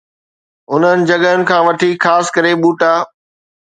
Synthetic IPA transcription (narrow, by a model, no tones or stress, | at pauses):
ʊn̤ənɪ̆d͡ʑɐɠəɦʊnɪ̆kʰãːʋɐʈʰixaːskɐɾeɓuːʈaː